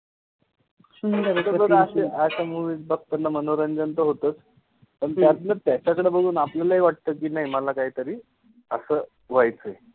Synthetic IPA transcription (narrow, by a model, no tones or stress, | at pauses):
nt̪əbəd̪aseʔasamuʋiːt͡sbʱək̚t̪ənːamənoɾəɲd͡ʑənt̪əɦot̪ət͡s | pəɳt̪jat̪nət̪jat͡ɕakəɽebəɡʱuːnapljalaɦiʋaʈ̚t̪əkiːnaɦimalakaɦiːt̪əɾiː | əsəː | ʋajt͡səe